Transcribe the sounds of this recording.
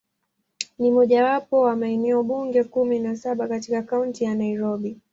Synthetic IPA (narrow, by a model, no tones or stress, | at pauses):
nimɔʄawapɔwamainɛɔɓuŋɡɛkuminasaɓakatikakauntijanaiɾɔɓi